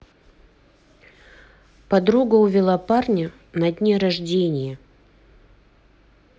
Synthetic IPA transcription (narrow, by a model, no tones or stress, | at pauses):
pɐd̪ɾuɡəʊvʲɪlˠaparnʲə | nɐd̪ʲnʲeɾɐʐdʲenʲɪjə